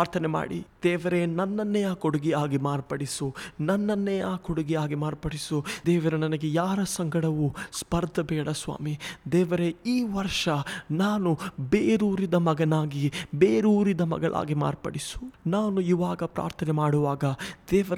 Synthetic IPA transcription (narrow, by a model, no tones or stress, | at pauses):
aːɾt̪ʰɐnɛma̰ːɽḭd̪̥ɛːʋɐɾenɐnːɐnːɛjaːkoɽuɡiaːɡimaːɾpɐɽisunɐnːɐnːɛjaːkoɽuɡiaːɡimaːɾpɐɽisud̪ɛːʋɐɾenɐnɐɡejaːɾɐsɐŋɡɐɽɐʋuspɐɾd̪ʱɐbɛːɽɐsʋa̰ːmid̪ɛːʋɐɾe̞iːʋɐɾʂɐnaːnubeːɾuːɾid̪ɐmɐɡɐnaːɡibeːɾuːɾid̪ɐmɐ̰ɡɐɭʔa̰ːɡima̰ːɾpɐ̰ɽisu̥naːnuiʋaːɡɐpɾa̰ːɾt̪ʰɐnɛmaːɽuʋaːɡɐd̪̥ɛːʋɐɾ